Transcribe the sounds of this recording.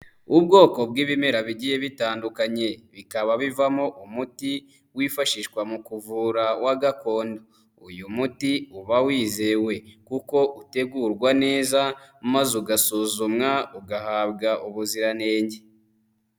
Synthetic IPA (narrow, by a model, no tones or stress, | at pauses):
ubɡo̞ːko̞b̚ɡiːβimeɾaβiɟije̞βitaːndukaɲe̞βikaβaβivamoʔumuti | wifaʃiʃkwamukuvuːɾawaɡako̞ːndo | ujumutiuβawiːze̞we̞kuko̞ʔute̞ɡuɾɡwane̞ːzamazuɡasuzumŋauɡahaːbɡaʔuβuziɾane̞ːɲɟe